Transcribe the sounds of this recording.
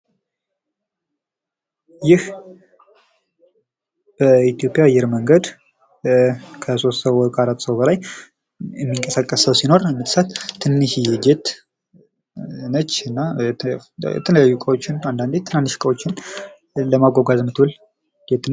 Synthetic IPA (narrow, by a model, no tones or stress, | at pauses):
jɪh | b̥əit̪ijo̞pʼjaajːɛɾməŋɡəd̪ | kʰəso̞st̪səwɔkʼaɾat̪səwbəlaj | jɛmːiŋkʼəsəkʼːəsəwsino̞ɾmɨt̪sat̪ʰːɨnːɨʃjɛd͡ʒet̪ | nət͡ʃːɨnːat̪ʰəjɛ̰t̪ʰələjajːukʼəwot͡ʃːɪnand̪and̪et̪ʰːɨnanːɨʃkʼəwo̞t͡ʃːɪn | ləmaɡʷoɡazmət̪wul | d͡ʒet̪n